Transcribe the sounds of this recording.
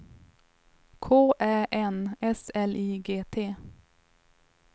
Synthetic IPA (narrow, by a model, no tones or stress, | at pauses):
kʰoːʔæːʔɛnɛsɛlʔiːɡeːt̪ʰeː